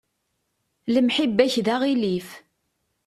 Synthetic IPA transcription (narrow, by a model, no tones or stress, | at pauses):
ləmħibːæçðaʁilif